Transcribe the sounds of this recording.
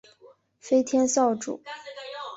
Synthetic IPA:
fe˥ɪt̪ʰjɛ˥nsɑ˥˩ʊʈ͡ʂṵ˨˩˦

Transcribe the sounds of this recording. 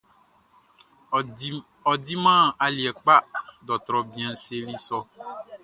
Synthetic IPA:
ɔ˨di˦mã˦a˨li˨ɛ˨k͡pa˦ɖɔ˨t̪ɾɔ˨bĩ˨ɛ̃˨n˦se˦li˦sɔ˦

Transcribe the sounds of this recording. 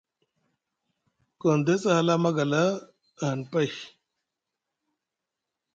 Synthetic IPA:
ko˨nd̪e˦sə˦ha˦la˦ma˦ɡa˨la˦˨ | ɦə˨npa˦j

